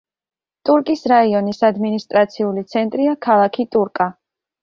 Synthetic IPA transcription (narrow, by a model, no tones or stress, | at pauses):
t̪ʼuɾkʼisɾaiɔnisad̪minist̪ʼɾat̪sʰiulit̪sʰɛnt̪ʼɾiakʰalˠakʰit̪ʼuɾkʼa